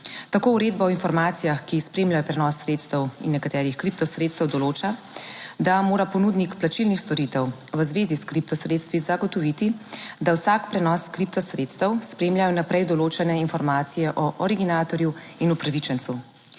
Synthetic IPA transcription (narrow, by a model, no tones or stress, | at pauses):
t̪akoːuɾeːd̪̚bɔɔinfɔɾmaːt̪sijaxkispɾemljajɔpɾɛnɔsːɾeːt̪st̪əwḭnːɛkat̪ɛːɾixkɾip̚t̪ɔsɾet̪st̪əwd̪ɔloːt͡ʃa | d̪amoːɾapɔnuːd̪nikplat͡ʃilnixst̪ɔɾit̪əw | ʋəzʋeːziskɾip̚t̪ɔsɾeːt̪st̪ʋizaɡɔt̪ɔʋit̪id̪awsakpɾɛnɔskɾip̚t̪ɔsɾet̪st̪əwspɾeːmjajɔnapɾɛjd̪ɔloːt͡ʃɛnɛinfɔɾmaːt̪sijɛʔɔʔɔɾiɡinaːt̪ɔɾjuinupɾaʋit͡ʃɛnt̪su